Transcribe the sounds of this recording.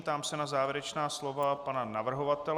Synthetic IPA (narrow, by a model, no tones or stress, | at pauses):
t̪aːmsɛnazaːvjɪɾɛt͡ʃnaːslo̞vapananavr̩ɦo̞vat̪ɛ